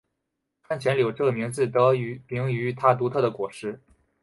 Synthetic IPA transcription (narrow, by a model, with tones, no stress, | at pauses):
kʰa˥˩nt͡ɕʰjɛ˧˥nljo˨˩ʊʈ͡ʂɤ˥˩ə˩mi˧˥ŋt͡sɹ̩˥˩t̪ɤ˧˥y˧˥pi˧˥ŋy˧˥t̪ʰa˥t̪̬u˧˥t̪ʰɤ˥˩d̪ə˩kwɔ˨˩ʂɻ̩˥˩